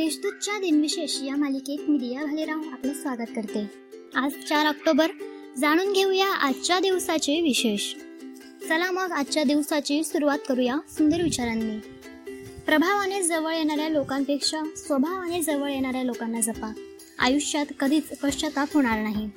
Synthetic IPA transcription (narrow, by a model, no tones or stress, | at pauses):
d̪eɕd̪ut̪̚t͡ɕjad̪inʋiɕeɕjamalikekmid̪ijaɡʱaliɾaũapliːsʋaɡət̪̚kəɾt̪e | ad͡zt͡ɕaɾək̚ʈobəɾ | d͡zaɽ̃uːnɡʱewjaʔad̪t͡ɕad̪iʋsat͡ɕeʋiɕeɕ | səlaməɡad̪t͡ɕad̪iʋsat͡ɕiːsuɾuʋat̪kəɾujasund̪əɾʋit͡ɕaɾanːiː | pɾəbʱaʋaned͡zəʋəɭjeɽ̃aɾjalokampekʂasʋəbʱaʋaned͡zəʋəɭjeɽ̃aɾjalokanːad͡zəpa | a̰juɕjat̪kəd̪ʱiːt͡supəʂt͡ɕʰət̪afɦoɽ̃aɾnaɦi